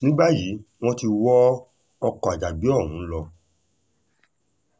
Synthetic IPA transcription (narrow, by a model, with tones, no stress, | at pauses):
nĩ˦ba˦ji˨˦w̃ɔ̃˦ti˧wɔ˦ | ɔ˧kɔ˨a˨d͡ʒa˨bi˨˦ɔ˦˨wũ˨˦lɔ˧